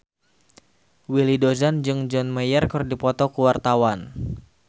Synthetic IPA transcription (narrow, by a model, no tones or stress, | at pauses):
wilidozand͡ʒɨŋd͡ʒɔnmajərkɨrdipɔt̪ɔkuwart̪awan